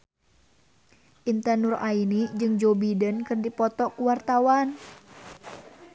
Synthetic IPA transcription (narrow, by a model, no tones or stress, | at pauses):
ʔint̪ərnʊrainid͡ʒɨŋd͡ʒobidənkɨrdipɔt̪ɔkuwart̪awan